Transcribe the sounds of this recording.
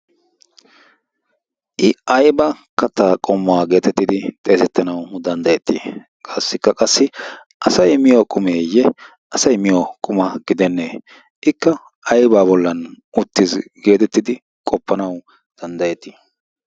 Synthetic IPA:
ʔɪʔɐjbɐkɐt̪ːaːkʼɔmːɔwaːɡe̞ːt̪ɛt̪ːɪd̪ɪt̪ʼe̞ːsɛt̪ːɐnɐwd̪ɐnd̪ɐjɛt̪ːḭ | kʼɐsːɪkːɐkʼɐsːɪ | ʔɐsɐjmɪjɔkʼʊmeːjɛ | ʔɐsɐjmɪjɔkʼʊmɐɡ̥ɪd̪ɛnːeː | ʔɪkːɐ | ɐjbaːβɔlːɐnʔʊt̪ːɪzɡe̞ːt̪ɛt̪ːɪd̪ɪ | kʼɔpːɐnɐw | d̪̥ɐnd̪ɐjɛt̪ːɪ̥

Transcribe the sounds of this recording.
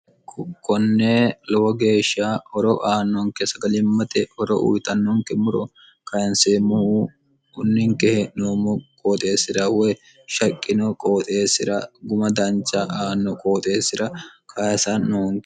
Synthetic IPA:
kɔnːelɔwɐɡe̞ːʃːahɔɾɔʔaːnːɔŋkɛsɐɡɐlɪmːɐt̪ɛhɔɾɔ̰ʔṵjt̪ɐnːɔŋkɛmʊɾɔ | kɐjɐnsemʊ | ʊnːɪŋkɛhɛnoːmɔkʼoːt̪ʼe̞ːsːɪɾɐwɔ | ʃɐkʼːɪnɔkʼoːt̪ʼe̞ːsɪɾɐɡʊmɐd̪ɐnt͡ʃʼːɐʔaːnːɔkʼoːt̪ʼe̞ːsːɪɾɐkʰɐsɐnoːŋ

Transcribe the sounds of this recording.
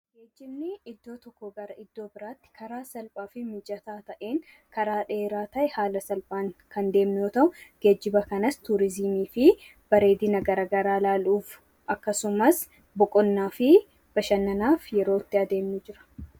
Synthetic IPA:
ɡeːd͡ʒːɪbnɪɪd̪ːo̞ːt̪ɔkːɔɡɐɾɐɪd̪ːo̞ːbɪɾaːt̪ːɪ̥kʰɐɾaːsɐlpʼaːfɪmɪd͡ʒɐt̪aːt̪ɐʔeːŋ | kɐɾaːᶑe̞ːɾaːt̪ɐʔɛhaːlɐsɐlpʼaːŋkɐnd̪e̞ːmnɪjoːt̪ɐʔʊɡ̥ed͡ʒːɪbɐkɐnɐst̪ʊɾɪzɪmiːfɪ | b̥ɐɾe̞ːd̪ɪnɐɡɐɾɐːɡɐɾaːlaːluːf | ʔɐkːɐsʊmɐs | bʊkʼɔnːaːfɪ | b̥ɐʃɐnːɐnaːfjɛɾo̞ːɪt̪ːɪɐd̪e̞ːmnʊd͡ʒɪɾɐ̥

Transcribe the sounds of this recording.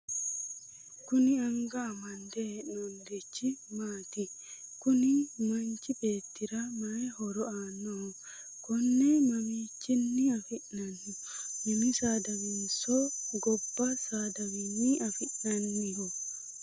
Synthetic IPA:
kʊnɪɐŋɡaːmɐnd̪enɔnd̪ɛt͡ʃːɪmaːt̪ɪ | kʊnɪmɐnt͡ʃɪbeːt̪ːɪɾɐmɐehɔɾɔanːɔhɔ | kɔnːemɐmiːt͡ʃːɪnːɪɐfɪʔɐnːʊ | nɐmisaːd̪ɐmɪnsoɡɔbːasaːd̪ɐmɪnːɪɐfɪʔnɐnːɪhɔ

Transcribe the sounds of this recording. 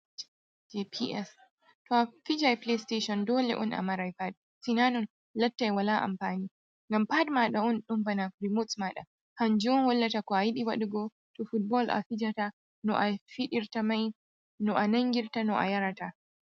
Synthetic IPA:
d͡ʒepʰiʔɛs | tɔafid͡ʒajplesteʃɔndɔːlɛ̰ʔɔ̰nʔa̰maɾajpad̚ | sinanɔn | lɐtːajwalaʔa̰mpaːniː | ŋɡampadmaɗaɔnɗumbanakɾimotsmaɗa̰ | hand͡ʒuɔnwɔlːatakɔajiɗiwa̰ɗuɡɔ | tɔfut̚bɔlʔa̰fid͡ʒata | nɔ̰ʔafiɗiɾtamaj | nɔʔanaŋɡʲiɾtanɔʔa̰jaɾata

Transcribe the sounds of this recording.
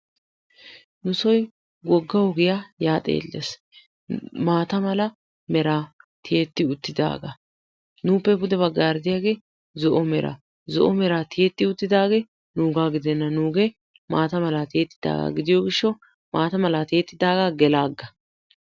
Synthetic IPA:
nʊsɔj | ɡɔɡːɐɔɡɪjaːjaːt̪ʼḛːlːḛs | maːt̪ɐmɐlɐ | mɛɾaːt̪ʰɪjet̪ːɪʊt̪ːɪd̪a̰ːɡɐ | nuːpːɛbʊd̪ɛbɐɡːaːɾd̪ɪjaːɡe̞ː | zɔʔɔmɛɾʔa̰ | zɔ̰ʔɔmɛɾaːt̪ɪjɛt̪ːɪʊt̪ːɪd̪aːɡeː | nuːɡaːɡɪd̪ɛnːɐnuːɡɛ | maːt̪ɐmɐlat̪eːt̪ːɪd̪a̰ːɡa̰ːɡɪd̪ɪjɔɡɪʃːɔ | maːt̪ɐmɐlat̪eːt̪ːɪd̪aːɡaɡɛlaːɡːɐ

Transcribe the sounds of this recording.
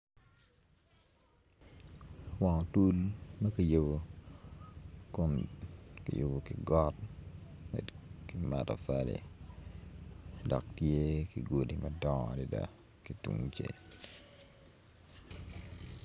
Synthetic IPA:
waŋɔtulmɐkijebo | kɔnkijobokɪɡɔt̚ | mɛ̰kɪmatɔfalɛ̰ | dɔ̰k̚tjekɪɡodimɐdɔŋdɪda̰ | kitṵŋt͡ʃḛ

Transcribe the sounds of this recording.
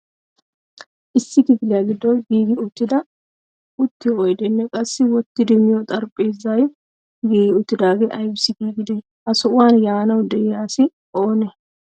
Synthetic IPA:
ʔɪsːɪkɪfɪlɛjaːɡɪd̪ːɔjɡiːɡɪʊt̪ːɪd̪ɐ | ʔʊt̪ːɪɔjd̪ɛnːɛkʼɐsːɪwɔt̪ːɪd̪ɛmɪjɔt̪ʼɐɾpʼːeːzːɐj | ɡiːɡɪʊt̪ːɪd̪aːɡeʔɐjbɪsɪɡiːɡɪd̪ɛ | hɐsɔʔʊwaːnjaːnɐwd̪ɛʔjaːsɪ | o̞ːnɛ

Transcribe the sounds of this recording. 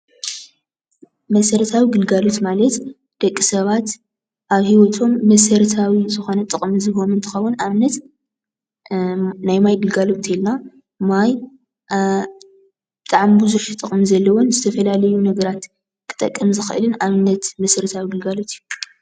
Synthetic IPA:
mɐsɐɾt̪ʰawiɡɨlɡalot̪malɐt̪ | d̪̥ɐkʼːisɐβat̪ | ʔaβhiwɔt̪ʰo̞mːɐsɐɾt̪ʰawizɨxo̞nɐt̪ʼɨχʼmzɨxo̞nunt̪ʰɨxɐwːʊnaβɨnːɐt̪ | najmajd̪ɨlɡalot̪ʰelna | maj | b̥ɨt̪ʼaʕmbuzuʃt̪ʼɨχʼmizɐlːɐwonzɨt̪ʰɐfɐlalɐjunɐɡɐɾat̪ | kʰɨ̥t̪ʼɐ̰kʼːɐmzɨxɨ̰ʔɨlɨnaβɨnːɐt̪mɐsɐɾɨt̪ʰawiɡɨlɡalot̪ʰijːu

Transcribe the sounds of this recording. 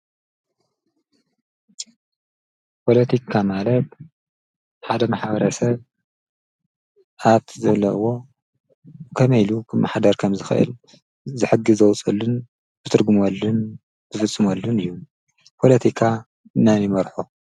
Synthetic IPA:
pʰo̞lɐt̪ʰikʰamalɐt̪ | ħad̪ɐmaħabɐɾɐsɐβ | ʔaβt̪ʰizɐβlɐ̰ʔwo̞ | kʰɐmɐjlukʰɨmːʔaħad̪ɐɾkʰɐmzɨxɨ̰ʔɨ̰l | zɨħɨɡɨzɐwt͡sʼɐlːɨn | b̥ɨt̪ʰɨɾɡumolːɨn | bɨfɨt͡sʼːɨmolːunɨjːu | pʰo̞lɐt̪ʰikʰa | ɨnanimɐɾħu

